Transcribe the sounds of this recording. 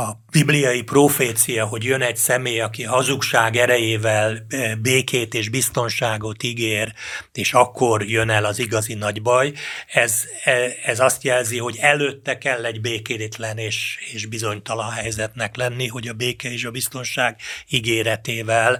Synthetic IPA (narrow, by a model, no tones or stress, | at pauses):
ɒb̥iblijɒjiproːfeːt̪sijɒɦo̞ɟjønɛɟsɛmeːjɒkiɦɒzukʃaːɡɛɾɛjeːvɛlbeːkeːt̪eːʒbist̪o̞nʃaːɡo̞t̪iɡeːreːʃɒkːo̞rjønɛlɒziɡɒzinɒɟbɒjɛz | ɛɛzɒst̪jɛlziɦo̞ɟɛløt̪ːɛkɛlːɛɟbeːkeːt̪lɛneːʃeːʃbizo̞ɲt̪ɒlɒnɦɛjzɛt̪nɛklɛnːiɦo̞ɟɒbeːkɛeːʃɒbist̪o̞nʃaːɡiɡeːɾɛt̪eːvɛl